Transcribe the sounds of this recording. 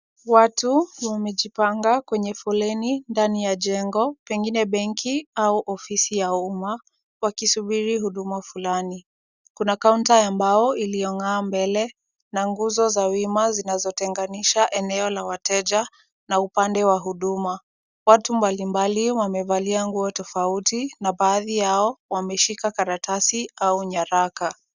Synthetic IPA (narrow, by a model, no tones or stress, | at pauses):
watuwamɛʄipaŋɡakwɛɲɛfulɛnindanijaʄɛŋɡɔpɛŋɡinɛɓɛŋkʰiauʔɔfisijauma | wakisuɓiɾiɦuɗumafulani | kunakauntaambajɔilijɔŋaːmbɛlɛ | naŋɡuzɔzawimazinazɔtɛŋɡaniʃaʔɛnɛɔlawatʰɛʄa | naupandɛwaɦuɗuma | watumbalimbaliwamɛvaliaŋɡuɔtɔfautinaɓaːðijaɔwamɛʃikakaɾatasiauɲaɾaka